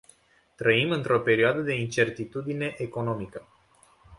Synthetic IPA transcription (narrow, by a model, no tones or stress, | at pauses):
t̪ɾəimɨnt̪ɾo̞pe̞ɾioad̪əd̪e̞int͡ʃe̞rt̪it̪ud̪ine̞ʔeko̞no̞mikə